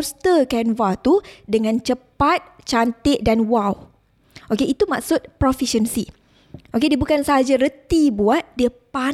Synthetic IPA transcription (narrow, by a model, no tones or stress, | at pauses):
st̪əkɛnvat̪udəŋãnt͡ʃəpat̪̚t͡ʃant̪ɪʔ̚danwaw | ʔokeʔit̪umak̚sʊt̪̚pɾɔfiʃənsi | ʔokediəbukansaɦad͡ʒaɾət̪ibuat̪̚diəpa